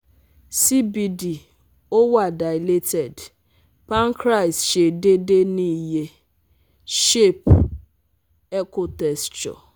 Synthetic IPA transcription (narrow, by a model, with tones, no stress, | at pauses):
si˦bi˨di˨ | o˦wa˨da˨ɪ˨le˦tɛ˨d | pa˦ŋ˦kɾa˦˨i˨sʃe˨de˦de˦ni˦je˦ | ʃe˦˨p | e˦ko˨tɛ˨st͡ʃɔ̰˨